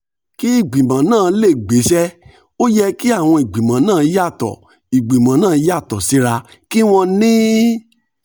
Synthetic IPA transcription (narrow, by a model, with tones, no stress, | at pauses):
ki˦i˦˨ɡ͡bĩ˨mã˨˦nãː˦˨˦le˦˨ɡ͡be˨˦ʃɛ˦ | o˦jɛ˧ki˦a˦˨w̃ɔ̃˧i˨ɡ͡bĩ˨mã˨˦nãː˦˨˦i˦ja˦˨tɔ̰˨ | i˨ɡ͡bĩ˨mã˨˦nãː˦˨˦a˦˨tɔ˨si˨˦ɾa˧ | ki˦w̃ɔ̃˧nĩ˦